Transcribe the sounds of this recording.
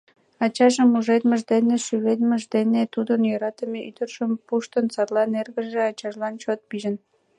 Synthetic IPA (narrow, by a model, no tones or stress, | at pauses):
ɑt͡ɕɑʒəmːuʒet̪məʒd̪eneʃyβed̪məʒd̪enet̪ud̪ənjøɾɑt̪əmeyd̪ərʒəmpuʃt̪ənt͡sɑrlɑnerɣəʒeɑt͡ɕɑʒlɑnt͡ɕot̪̚piʒən